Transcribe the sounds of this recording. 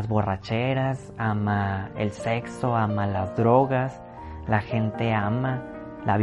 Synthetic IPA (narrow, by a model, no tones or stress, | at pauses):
zβo̞ra̰t͡ʃe̞ɾas | amaḛlse̞kso̞amalazðɾo̞ɣas | laxe̞nt̪e̞ama | laβ